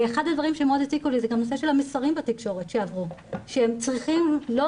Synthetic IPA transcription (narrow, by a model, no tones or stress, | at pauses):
eχad̪ad̪vaʁimʃemeodatikulizeɡamnoseʃe̞lamesaʁimbat̪ikʃo̞ʁe̞tʃeavʁuʃeemt͡sʁiχimlo